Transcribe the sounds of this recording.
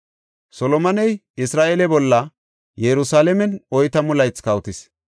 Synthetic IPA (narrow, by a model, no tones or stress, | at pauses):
sɔlɔmɐnɛj | ɪsɾaːʔelɛbɔlːɐ | jɛɾʊsaːlɛmɛnɔjt̪ɐmʊlɐjt͡skɐwt̪ɪs